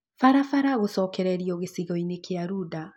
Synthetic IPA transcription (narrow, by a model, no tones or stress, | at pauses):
faɾafaɾaɣosɔːkɛɾɛɾiɔɣesiɣɔinekeaɾuːda